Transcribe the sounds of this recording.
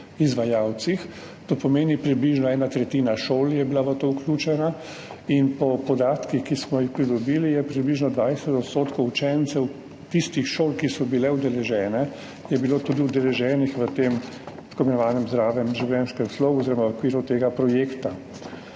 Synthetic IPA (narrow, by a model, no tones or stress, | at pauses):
izʋajaːwt̪six | t̪oːpɔmeːnipɾibliʒnɔɛːnat̪ɾɛt̪iːnaʃoːljɛbilaʋət̪oːwklʲjuːt͡ʃɛna | inpɔpɔd̪aːt̪kixkismɔjixpɾid̪ɔbiːlijɛpɾibliʒnɔd̪ʋajsɛt̪ɔt̪st̪oːt̪kɔwut͡ʃɛnt̪sɛw | t̪ist̪ixʃoːlkisɔbilɛwd̪ɛlɛʒɛːnɛ | jɛbiloːt̪uːd̪iud̪ɛlɛʒɛːnixʋət̪eːm | skombinɔʋaːnɛmzɾaːʋɛmʒiwlʲɛnskɛmsloːɡɛɔziɾɔmaɔkʋiːɾut̪eːɡapɾɔjeːkt̪a